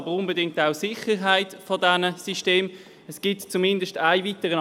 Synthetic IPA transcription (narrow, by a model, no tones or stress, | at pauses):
bəʁʊnbədɪŋk̚taʊsɪχəʁɦaɪtfɔdɛnəsiʃteːm | ɛsɡ̥ɪtt͡sumɪndəsʃtaɪvitəʁə